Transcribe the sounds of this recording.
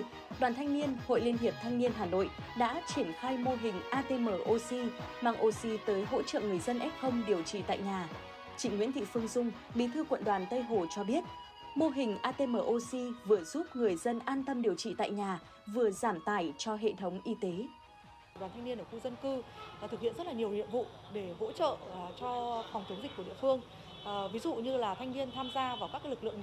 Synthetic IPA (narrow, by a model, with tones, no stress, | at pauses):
ɗwaː˨˩nt̪ʰa˧jŋni˧ənho̰˧˨jli˧ənɦi˨˩əp̚t̪ʰa˧jŋ̟ni˧ənɦaː˨˩no̰˧˨j | ɗa̰ː˧˥t͡ɕi˧˩ənxaː˧jmo˧ɦï˨˩ŋ̟ʔaː˧t̪e˧məː˨˩ʔo˧si˧maː˨˧˩ŋʔo˧si˧t̪əː˨˦jɦo̰˧˥t͡ɕə̰ː˧˨ŋɨ˨˩əjzə˧nʔɛ˦˥p̚xə˧wŋ͡mɗi˨˩əwt͡ɕḭ˧˨t̪a̰ː˧˨jɲaː˨˩ | t͡ɕḭ̈˧˩ŋwi˧˥nt̪ʰḭ˧˨fɨ˧əŋzʊ˧ŋ͡m | ɓi˨˦t̪ʰɨ˧kwə̰˧˨nɗwaː˨˩nt̪ə˧jɦo˨˩t͡ɕɔ˧ɓi˦˥ət̚ | mo˧ɦï˨˩ŋ̟ʔaː˧t̪e˧məː˨˩ʔo˧si˧vɨ˨˩əz̥u˦˥p̚ŋɨ˨˩əjzə˧nʔaː˧nt̪ə˧mɗi˨˩əwt͡ɕḭ˧˨t̪a̰ː˧˨jɲaː˨˩ | vɨ˨˩əzaː˧˩mt̪aː˧˩jt͡ɕɔ˧ɦḛ˧˨t̪ʰə˨˦wŋ͡mʔi˧t̪e˨˦˨ | nɗwaː˨˩nt̪ʰa˧ŋni˧ənʔəː˧˩xu˧zə˧nkɨ˧˨˩t̪ʰɨ˨˩k̚hḭ˧˨nzə˦˥t̚laː˨˩ɲi˨˩əwnḭ˧əmvṵ˧˨ | ɗe˧˩ɣo̰˧˥t͡ɕə̰ː˧˨˩t͡ɕɔ˧fwŋ͡mt̪i˨˦ŋzi˨˩k̟ku˧˩ɗḭ˧˨əfɨ˧əŋ | vi˨˦zṵ˧˨ɲɨ˧laː˨˩t̪ʰa˧jŋni˧ənt̪ʰaː˧mzaː˧vaː˨˩kaː˦˥k̚ːlɨ˨˩k̚ɨ̰˧˨ə˨ŋ